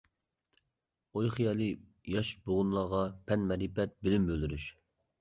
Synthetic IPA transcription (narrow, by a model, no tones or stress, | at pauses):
ojχijɑlˠɨ | jɑʃboʁʊnlˠɑʁɑpʰɛnmɛɾipɛt̪̚bɪlymbøld̪yɾyʃ